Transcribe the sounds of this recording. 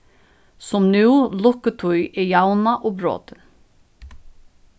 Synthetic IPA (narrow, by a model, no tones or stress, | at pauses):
sɔmnʉːlɔkət̪ʰʊʏʔeːjɑʊnɑʔoːbɾo̰ːt̪ə